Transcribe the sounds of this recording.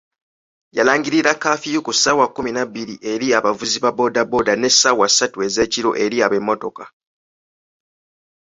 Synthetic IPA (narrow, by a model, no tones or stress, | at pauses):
ja̰laːŋɡiɾiɾakːaːfijokusaːwakːuminabːiɾiʔe̞ɾiaβavuziβabo̞dabo̞dane̞sːawasːatue̞ze̞ːciɾo̞ʔe̞ɾiaβemːo̞to̞ka